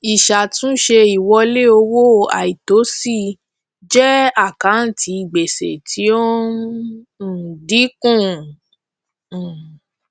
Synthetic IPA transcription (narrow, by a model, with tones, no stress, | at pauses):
i˨ʃa˨tũ˦ʃe˧i˨wɔ˧le˦o˧wo˦a̰˨i˨to˨˦si˦˨ | d͡ʒɛ˦a˦˨kã˨˦n̩˨ti˧˦i˨ɡ͡be˨sḛ˨tʰi˨˦o˦˨ | di˨˦kũ˦˨